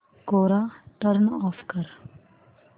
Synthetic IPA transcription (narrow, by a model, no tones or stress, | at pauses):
koːɾaːʈəɾnɔːfʰkəɾ